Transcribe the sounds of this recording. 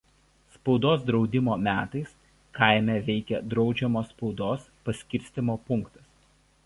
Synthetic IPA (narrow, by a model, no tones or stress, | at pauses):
spɒʊd̪oːsd̪ɾɒʊd̪ʲɪmoːmʲæːt̪ɐɪs | kʰaˑɪmʲɛʋʲɛɪkʲɛd̪ɾɒʊd͡ʒʲɛmoːspɒʊd̪oːspɐsʲkʲɪɾʲsʲt̪ʲɪmoːpʊŋkt̪ɐs